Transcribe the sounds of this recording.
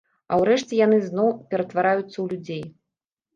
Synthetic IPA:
ɐ̰wɾɛʂt͡sʲɛjanɨznɔwpʲɛɾɐt̪vaɾajut̪sːɐwlʲud͡zʲej

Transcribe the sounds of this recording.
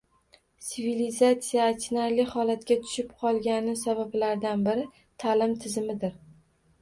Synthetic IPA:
t̪sivilizat̪sijaːt̪naɾlɪhɒlat̪kʲat̪ʰʊ̥ʃɪpqʰɒlˠɡʲanɪsabablaɾd̪anbɪɾɪ | t̪ʰalɪmt̪ʰɪzɪmɪd̪ɪɾ

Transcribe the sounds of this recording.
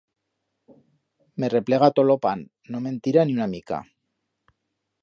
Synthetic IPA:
me̞re̞ple̞ɣat̪olo̞panː | o̞me̞nt̪iɾaniunamika̰

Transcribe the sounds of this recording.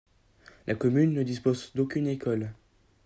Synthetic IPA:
lʔakɔmynːəd̪ispozd̪okʲynekɔl

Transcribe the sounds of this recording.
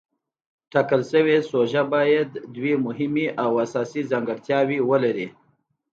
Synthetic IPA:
ʈɑkəlsəwesoʒabɑjad̪ːwemʊɦɪmiʔawasɑsizaŋɡəɽt̪jɑwiwəlaɾi

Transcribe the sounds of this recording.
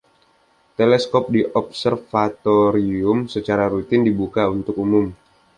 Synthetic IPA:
t̪elɛskɔp̚diʔɔp̚sərfat̪oɾiʊmsət͡ʃaɾaɾut̪ɪndibukaunt̪ʊkumʊm

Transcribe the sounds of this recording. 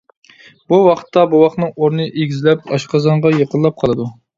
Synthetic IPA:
buwɑqʰə̥t̪ːɑbuwɑχnɨŋoɾnɨʔeɡʲizlɛpɑ̰ʃqɑzɑɴʁɑjeqəlˠːɑp̚qʰɑlˠɨd̪u

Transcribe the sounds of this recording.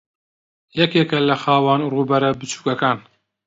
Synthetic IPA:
jɛkeːkɐlɐxaːwaːnruːbɐɾɐbɨt͡ʃʰu̥ːkɐkaːn

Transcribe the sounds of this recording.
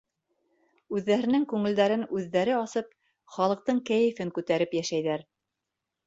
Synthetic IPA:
ʉðːæɾɘ̆nɘŋkʉŋɘ̆ld̪æɾɘnʉðːæɾɘɑsɤp̚ | χɑlˠɤ̆q̚t̪ɤɴkæjɘ̆fɘŋkʉt̪æɾɘpjæʃæjðæɾ

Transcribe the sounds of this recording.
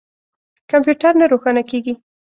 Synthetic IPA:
kampjuʈaɾnaɾoxanakeɡi

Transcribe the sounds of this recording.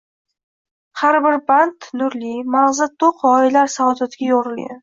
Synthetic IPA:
haɾbɪɾband̪nʊɾlimaʁzat̪ʰːoqʰɒɪlaɾsaɒd̪at̪ɡʲajɒɾɨlɡʲa̰n

